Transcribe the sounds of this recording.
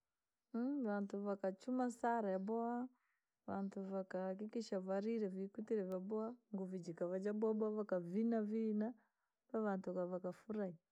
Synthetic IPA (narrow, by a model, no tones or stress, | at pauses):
βantuvakat͡ʃumasaɾajabɔa | vantuvakaːk̬ikiʃavaɾiɾɛvikutiɾɛvabɔaŋɡuvid͡ʒikavad͡ʒabɔabɔavakavinavina | paβantukavakafuɾai